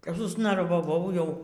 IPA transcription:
kɐp sʊsnɐrʋɐˈʋɐʊ ˈjɛʊ

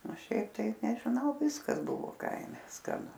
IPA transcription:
oː ˈʃʲɛɪp tɐɪ nʲɛʒʲɪˈnɐʊ ˈʋʲɪskɐs ˈbʊʋoː ˈkɐɪmʲɛ skɐˈnʊ

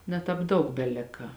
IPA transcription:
nʲɛ ˈtɑːp ˈdɐʊk bʲɛˈlʲɪkɐ

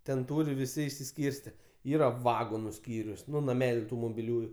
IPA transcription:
tʲɛn ˈtuːrʲɪ ʋʲɪˈsʲɪ ɪʃʲsʲɪˈsʲkʲiːrʲsʲtʲɛ ˈiːrɐ ˈʋɑːɡoːnʊ ˈsʲkʲiːrʲʊs ˈnʊ nɐˈmʲæːlʲʊ ˈtuː moːbʲɪˈlʲuːjʊ

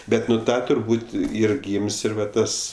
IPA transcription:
ˈbʲɛt nʊ ˈtɐ tʊrˈbuːtʲ ˈiːr ˈɡʲiːmʲsʲ ˈɪr ʋɐ ˈtɐs

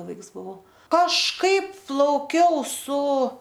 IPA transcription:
ˈʋɐɪks bʊˈʋɐʊ kɐʃˈkɐɪp plˠɐʊˈkʲɛʊ sʊ

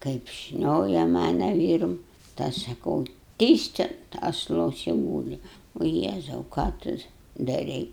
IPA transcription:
kɐɪp ˈʃʲnʲoːjɛ ˈmɑːnɐ ˈʋʲiːrʊm tɐɪ ˈɐʃ sɐˈkɐʊ ˈtʲiːst ɐnt ɐsˈlˠoːs ɪ ˈɡuːlʲɪ oː ˈjeːzɐʊ kɑː ˈtʊ dɐˈrʲɛɪ

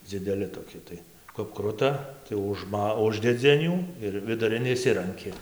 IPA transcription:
d͡zʲɪdʲɛˈlʲɪ toːˈkʲɪ tɐɪ kɐp ˈkrʊtɐ tɐɪ ʊʒˈmɐ ˈʊʒʲdʲɛd͡zʲɪ ɐn ˈjuː ɪr ʋʲɪdʊˈrʲɪn ɪʃʲˈsʲɪrɐŋʲkʲɪ

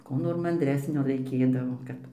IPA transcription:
ˈkuː noːr mɐnʲˈdʲrʲæːsʲnʲoː rɐɪˈkʲeːdɐʋoː ˈkɐt

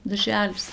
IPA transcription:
dɐrʲˈʒʲæːlʲɪs

